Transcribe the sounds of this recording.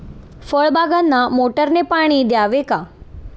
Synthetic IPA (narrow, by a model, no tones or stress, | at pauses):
fəɭbaɡanːamoʈəɾnepaːɽ̃id̪jaːʋeka